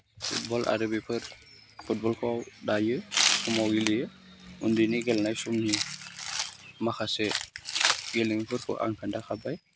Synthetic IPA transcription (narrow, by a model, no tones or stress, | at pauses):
fṵt̚bɔla̰ɾəbipəɾ | fut̚bɔlkɔwɗajəsumawɡilijə | undiniɡɛlnajsumni | maxasɛ | ɡeliŋpəɾkɔ̰ʔa̰ŋkandaxabaj